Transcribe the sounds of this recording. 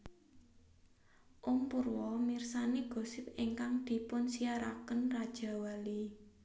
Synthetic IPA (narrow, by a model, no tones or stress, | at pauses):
ʔumpurwɔmirsaneɡ̥o̤sɪp̚eŋkaŋd̪̥i̤pʊnsiaɾa̰kənrad̥ʒ̥ä̤wali